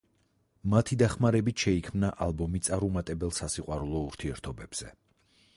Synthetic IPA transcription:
mat̪ʰid̪aχmaɾɛbit̪ʰʃɛikʰmnaʔalˠbɔmit̪sʼaɾumat̪ʼɛbɛlˠsasiqʼwaɾulˠɔuɾt̪ʰiɛɾt̪ʰɔbɛb̥z̥ɛ

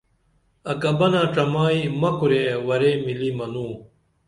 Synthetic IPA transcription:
ɐkɐbɐnaːʈ͡ʂɐmaːimɐkuɾewɐɾemilimɐnuː

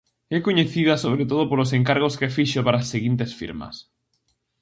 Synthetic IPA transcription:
ɛkoɲeθiðasoβ̞ɾet̪oðopolos̬ẽŋkaɾɣoskefiʃopaɾaːsːeɣint̪esfḭɾmɐ̰s

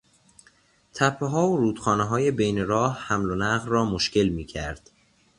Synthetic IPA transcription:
t̪ʰæpʰːeɦɒːoɾuːd̪̥χxɒːneɦɒːje̞bejneɾɒːhhæmlonæɣlrɒːmoʃkʰe̞lmiːcʰæɾd̪̥

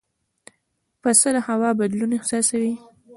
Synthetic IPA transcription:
pasəd̪ahawɑbad̪lunehsɑsawi

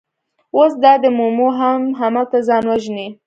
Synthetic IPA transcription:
osd̪ɑd̪əmomoɦamɦamat̪azɑnwaʒni

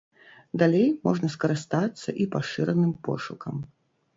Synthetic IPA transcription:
d̪alʲejmɔʐnɐskɐɾɨst̪at̪sːɐʔipaʂɨɾɐnɨmpɔ̰ʂukɐm

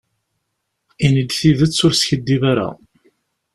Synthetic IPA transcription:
inəd̪θiðət͡sːʊɾsçəd̪ːivaɾa̰

